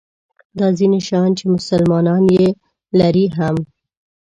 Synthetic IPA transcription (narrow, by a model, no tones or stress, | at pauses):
d̪ɑzineʃɑnt͡ʃemʊsalmɑnɑnje | laɾiɦam